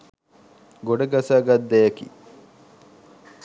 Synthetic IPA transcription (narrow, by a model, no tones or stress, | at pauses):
ɡoɖɐɡasaːɡɐd̪ːæjɐkḭː